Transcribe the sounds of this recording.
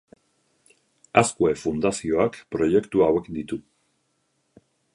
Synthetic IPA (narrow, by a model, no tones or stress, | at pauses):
askuefund̪asio̞akpɾo̞je̞kt̪uawe̞kd̪it̪u